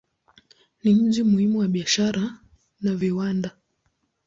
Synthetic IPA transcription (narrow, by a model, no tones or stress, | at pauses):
nim̩ʄimuhimuwaɓiaʃaɾa | naviwanda